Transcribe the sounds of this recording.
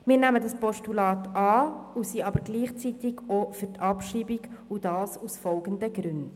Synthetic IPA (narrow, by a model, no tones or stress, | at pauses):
mɪːɾnæmədɑspɔʃtulɑːtɑːusiɑbəɾɡliːχt͡sitɪɡofyɾtʰɑpʃiːbiɡud̥ɑːsusfɔlɡ̥əndəɡɾʉnd